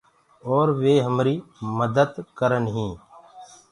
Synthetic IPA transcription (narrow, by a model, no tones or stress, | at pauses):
oːɾʋeːɦəmɾiːməd̪əd̪kəɾənɦĩː